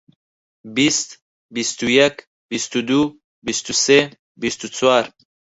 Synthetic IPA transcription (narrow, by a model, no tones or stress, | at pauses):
bist̪ | bist̪ujɛk | bist̪ud̪u | bist̪use | bist̪ut͡sʰwaɾ